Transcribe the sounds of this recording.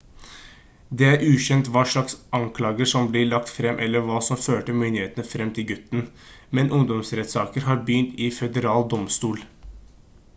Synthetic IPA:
d̪eːæɾʔʉːçɛnt̪ʋɑːʂɭɑksʔɑŋkʰlɑːɡəʂɔmblɪɭɑkt̪fɾɛmːʔɛlːəɾʋɑːsɔmføːʈəmʏnd̪ɪeːt̪ənəfɾɛmːt̪ʰɪlɡʉt̪n̩ | mɛnʔʊŋd̪ɔmsɾɛt̪sɑːkəɾɦɑːɾbjʏnt̪ʰɪfɛd̪əɾɑːld̪ɔmst̪uːl

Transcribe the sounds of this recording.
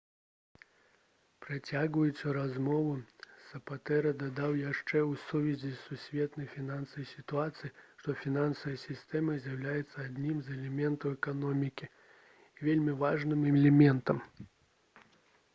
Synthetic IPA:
pɾɨt͡sʲaɣvɐjusʲɐɾazmɔvusɐpat̪ɛɾɐd̪ad̪awjaʂt͡ʂɛusuvʲizʲisːusʲvʲɛt̪nɐjfʲinansɐɐjsʲit̪uat̪sɨjiʂt̪ɔfʲinansɐvɐjɐsʲist̪ɛmɐzʲjɐwlʲajɛt̪sːɐad̪ʲnʲimzɛlʲɛmʲɛnt̪ɐwɛkanɔmʲikʲi | ivʲelʲmʲivaʐnɨmlʲɛmʲɛnt̪ɐm

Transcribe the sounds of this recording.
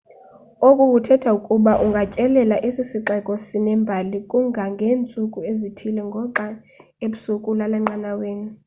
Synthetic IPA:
okʼukutʰɛtʰaukʼuɓaʔuŋɡʱacʼɛlɛlaʔesisiǁɛkʼɔsinɛmbʱalikʼuŋɡʱaŋɡʱeːnt͡sʼukʼuezitʰilɛŋɡʱɔǃa | eɓusukʼulalaŋ͡ǀanaweːnu

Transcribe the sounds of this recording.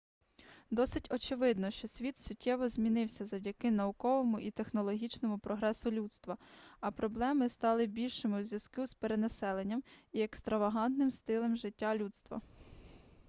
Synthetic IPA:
d̪ɔsɪtʲɔt͡ʃɪʋɪd̪nɔʃt͡ʃɔsʲʋʲit̪sʲʊtʲʰːɛʋɔzʲmʲinɪwsʲɐzɐwdʲɐkɪnɐʊkɔʋɔmʊʔit̪e̞xnɔlˠɔɦʲit͡ʃnɔmʊpɾɔɦɾɛsʊlʲut̪st̪ʋɐɐpɾɔblˠɛmɪst̪ɑlˠɪbʲilʲʃɪmɪzʲʋjɐzkɪspeɾenɐsɛlˠenʲːɐmiekst̪ɾɐʋɐɦɑnt̪nɪmst̪ɪlˠɛmʒɪtʲːalʲut̪st̪ʋɐ̰

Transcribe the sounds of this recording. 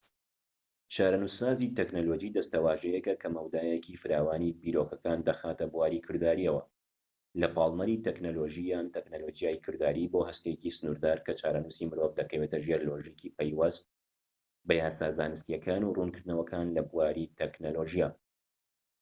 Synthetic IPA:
t͡ʃaːɾɐnusaːzit̪ɛknolod͡ʒid̪ɐst̪ɐwaːʒɛjɛkɐkʰɐmɐwd̪aːjɛkiːfɨɾaːwaːnibiːɾokɐkaːnd̪ɐxaːt̪ɐbuwaːɾikʰɨɾd̪aːɾiɐwɐ̰ | lɐpɑːlˠmɐɾiːt̪ɛknoːloʒijaːnt̪ʰɛknoloːd͡ʒijaːjikʰɨɾd̪aːɾiːboːhɐst̪ejecisɨnuɾd̪aːɾkʰɐt͡ʃaːɾɐnusimɨɾovd̪ɐkɐweːt̪ɐʒeɾloʒikʰipɐjwɐzt̪ | bɐjaːsaːzaːnɨst̪ijɐkʰaːnurunkʰɨɾd̪nɐwɐkʰaːnlɐbuwaːɾit̪ʰɛknoloʒijaː

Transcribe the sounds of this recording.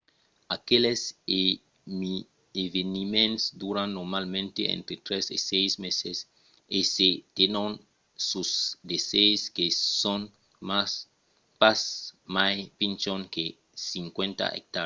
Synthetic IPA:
akelese | mi | evenimẽnsd̪uɾãnːoɾmalmẽnt̪eʔḛ̃nt̪ɾet̪ɾesḛsejsmeses | eset̪enon | susd̪eseskesõn | mas | pasmajpint͡ʃõŋke | siŋkwẽnt̪a̰ʔḛk̚t̪aɾ

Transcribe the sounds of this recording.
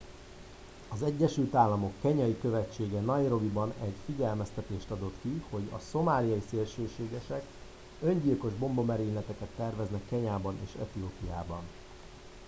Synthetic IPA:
ɒzɛɟːɛʃylt̪aːlːɒmo̞kːɛɲɒjikø̞vɛt͡ʃːeːɡɛnɒjɾo̞vibɒnɛɟfiɟɛlmɛst̪ɛt̪eːʃt̪ɒd̪o̞t̪kiho̞ɟɒ̰so̞maːlijɒiseːlʃeːʃeːɡɛʃɛk | ø̞ɲɟilko̞ʒbo̞mbo̞mɛɾiːnlɛt̪ɛkɛt̪ːɛrvɛznɛkːɛɲaːbɒnḛːʃɛ̰t̪ioːpijaːbɒn

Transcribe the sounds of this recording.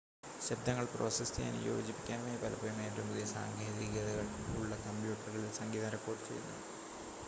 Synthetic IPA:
ɕɐb̚d̪ʱɐŋːɐɭpro̞̰ːsesija̰n̰jo̞̰ːd͡ʑipːi̥kʲːaːnumeːpɐlɐpɐɾumeːtːumuðesaːŋɡeːðiɣɐðɐɣɐɭkuuɭːɐkɐmpjuːʈːɐrɐllsɐŋɡiːðaɾɐkːo̞ːʈːɨt͡ɕejunːɐ̰ðɨ

